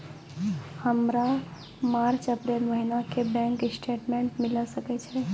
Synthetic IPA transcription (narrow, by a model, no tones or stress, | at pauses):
həmɾa | maɾt͡ʃəpɾelməɦinakebɛ̃ŋksʈʰeʈmeɳʈmiləsəkɛt͡ʃʰɛ